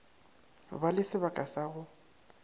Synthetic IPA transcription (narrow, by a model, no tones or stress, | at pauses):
balɪsɪbakʼasaɣʊ